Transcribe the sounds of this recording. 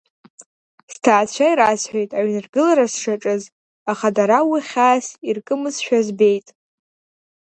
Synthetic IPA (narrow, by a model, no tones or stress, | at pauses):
stʰaːt͡ɕʷʰaiɾasħʷᶣejtʼaɥnɨrɡɨlaɾasʂaʈ͡ʂʼɨz | aχadaɾawiχʲaːsirkʼɨmɨzʃᶣazbe̞jtʼ